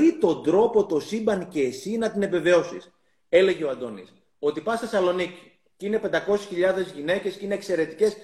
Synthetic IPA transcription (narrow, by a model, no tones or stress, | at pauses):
it̪o̞nd̪ɾo̞po̞t̪o̞sibɐnce̞ːsinɐt̪ine̞ve̞ve̞o̞sḭs | e̞le̞ʝeoɐnd̪o̞nḭs | o̞t̪ipɐsθe̞sɐlo̞nici̥ | cinepe̞nd̪ɐko̞sisçiʎɐðe̞zʝine̞ce̞sceine̞ːkse̞ɾe̞t̪i̥ce̞s